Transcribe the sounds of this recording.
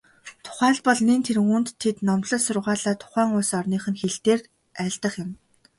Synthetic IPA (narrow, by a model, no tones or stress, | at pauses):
t̪ʰʊ̥χæːɮpɔɮniːnt̪ʰeɾɘ̆ŋunt̪ʰːet̪nɔmt̪ɮə̆ɮsʊrʁaːɮaːt̪ʰʊ̥χæːŋʊːsɔrniːχɘ̆nxeɬt̪eːr | æːɮt̪ə̆χjɪ̆m